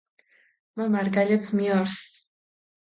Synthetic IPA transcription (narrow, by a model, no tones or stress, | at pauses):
mamaɾɡalʲɛpʰmiɔɾs